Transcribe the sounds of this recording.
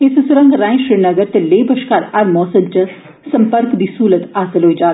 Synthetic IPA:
ɪssɾɐ̃ŋɡɾãːĩʃɾɪɾnɐɡəɾt̪eleːbʱɐʃkaːɾaɾmɔːsɐnt͡ʃɐ | sɐmpəɾkd̪iːsuːlət̪aːsɐlɦoːid͡ʒaː

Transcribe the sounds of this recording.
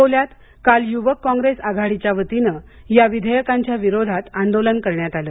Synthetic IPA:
oljat̪ | kaljuʋəkːɔ̃ŋɡɾesaɡʱaɽit͡ɕjaʋət̪inə | jaʋid̪ʱəjəkaɲt͡ɕjaʋiɾod̪ʱat̪and̪olənkəɾɳjat̪aləː

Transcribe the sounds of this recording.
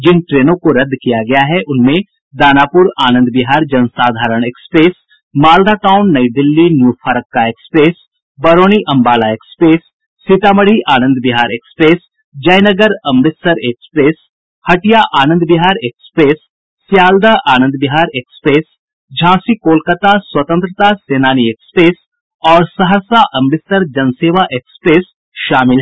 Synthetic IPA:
d͡ʒɪnʈɾeːnõkoɾɐd̪ːkijaɡɐjaɦɛʔʊnmẽ | d̪aːnaːpʊɾaːnə̃nd̪bɪɦaːɾd͡ʒɐnsaːd̪ʱaːɾəɽ̃eːkspɾeːs | maːld̪ʱaʈaːʊnːɐjd̪ɪlːinjuːɾfʰaːɾəkːaeːkspɾeːs | bɐɾoːñiʔɐ̃mbaːlaekspɾeːsː | it̪aːməɽ̤iʔaːnə̃nd̪bɪɦaːɾeːkspɾeːs | d͡ʒɐjnəɡəɾɐmɾɪsəɾeːkspɾeːs | hɐʈijaʔaːnə̃nd̪bɪɦaːɾeːkspɾeːsː | jaːld̪aʔaːnə̃nd̪bɪɦaːɾeːkspɾeːs | d͡ʒʱãːsikoːlkət̪aːswɐt̪ə̃nt̪ɾət̪aːseːnaːniekspɾeːs | ɔːɾsɐɦəsaʔɐmɾɪsəɾd͡ʒɐnseːʋaʔeːkspɾeːs | ʃaːmɪlɦ

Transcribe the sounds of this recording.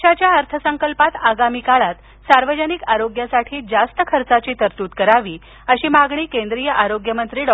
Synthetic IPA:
ɕat͡ɕjaəɾt̪ʰəsəŋkəlpat̪aɡamiːkaɭat̪ | saɾʋəd͡ʑənikaɾoɡjasaʈʰiːd͡zast̪əkʰəɾt͡sat͡ɕiːt̪əɾt̪uːt̪kəɾaʋiː | əɕiːmaɡɳ̃iːkẽnd̪ɾijəʔaɾoɡjəmənt̪ɾiːɖ

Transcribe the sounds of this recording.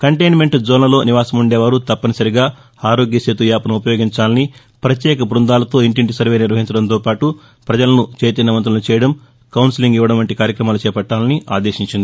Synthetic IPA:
kɐɳʈejnme̞ɳʈd͡ʒoːnɐlo̞ːniʋaːsɐmuɳɖeːʋaːɾut̪ɐpːɐnɐsɐɾiɡaː | aːɾo̞ːɡjɐseːt̪ujaːpɐnɐmupɐjo̞ːɡiɲt͡ʃaːlɐni | pɾɐt̪jɛːkɐbɾund̪aːlɐt̪o̞ːiɳʈiɳʈisɐɾʋe̞ːniɾʋɐɦiɲt͡ʃɐɽɐnt̪o̞ːpaːʈu | pɾɐd͡ʒɐlɐnut͡ʃeːt̪inɐʋɐnt̪̬ɾɐnut͡ʃɛːjɐɽɐm | kɐwnsiliŋɡiʋːɐɽɐnʋɐɳʈikaːɾjɐkɾɐmaːlut͡ʃɛːpɐʈːaːlɐniʔa̰ːd̪eːʃiɲt͡ʃind̪ii

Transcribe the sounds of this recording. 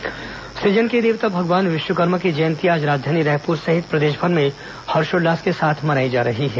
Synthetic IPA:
sid͡ʒənked̪eːʋt̪abʱɐɡʋaːnʋɪʃwəkəɾməkid͡ʒɐjə̃nt̪ijaːd͡ʒɾaːd͡ʒd̪ʱaːniɾɛːɦpuːɾsɐɦɪt̪pɾɐd̪eːʃbʱəɾmẽ | hɐɾʃoɖɖaːskesaːt̪ʰmɐnaːid͡ʒaːɾɐɦiɦɛː

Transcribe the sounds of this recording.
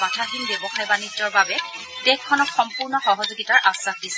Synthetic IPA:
atʰaxinbjɔbɔxajbanid͡ʒɔɹbabɛ | tɛkʰːɔnɔxɔmpuɹnɔxɔɦɔzuɡitaɹʔasːaxdisɛ

